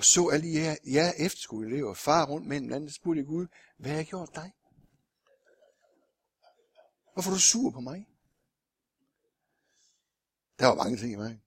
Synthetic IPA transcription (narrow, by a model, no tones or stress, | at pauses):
ɒ̽sɔ̰̽ːæl̰d̥iææɐjæɐʔefd̥ɐ̥sɡ̥uðˠle̝ʊfɑ̈ːʁɔ̽n̰d̥mḛm̩læn̩ssb̥uɐ̰d̥jaɡ̥uðˠ | ʋæɑɡ̥jo̝ɐ̰d̥ːɑ̈ɪ | ʋɑfɒɾ̥usuɐpʰɒ̽mɑ̈ɪ | d̥ɑʋɑmɑ̈ŋət͡sʰe̝ŋ̰imɑŋ